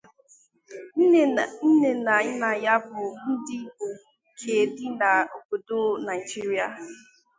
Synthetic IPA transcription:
n̩˦ne˨na˨ɲɪ˦na˨ja˦bʊ˨n̩˦dɪ˦o˨ | kʰe˨dɪ˦na˨o˨bo˨do˦na˨i˨d͡ʒi˦ɾi˦a˨

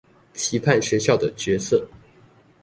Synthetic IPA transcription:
t͡ɕʰi˧˥pʰa˥˩nɕɥɛ˧˥ɕjɑ˥˩ʊd̪ə˩t͡ɕɥɛ˧˥sɤ˥˩

